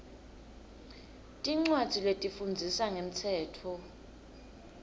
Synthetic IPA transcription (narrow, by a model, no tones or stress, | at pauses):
tʼiŋ͡ǀwadd͡z̥ʱiletʼifund͡zʱisaŋem̩tʰɛːtʰɔ